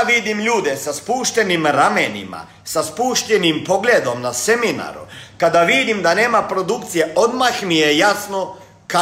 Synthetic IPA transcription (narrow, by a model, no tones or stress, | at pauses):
ʋid̪imʎuːd̪esaspuːʃt̪e̞nimɾamenḭma̰ | saspuːʃt̪enimpo̞ɡled̪o̞mnase̞mina̰ɾṵkad̪aʋid̪imd̪ane̞ːmapɾo̞d̪ukt̪sijeo̞d̪maxmijejasno | ka